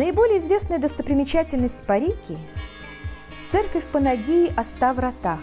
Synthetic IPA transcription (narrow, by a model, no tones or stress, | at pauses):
nəɪbo̞lʲɪjəɪzvʲe̞snəjəd̪əst̪əpɾʲɪmʲɪt͡ɕætʲɪlʲnəsʲtʲpɐɾʲikʲɪ | t̪sɛrkəfʲpənɐɡʲijɪʔɐst̪avɾɐt̪a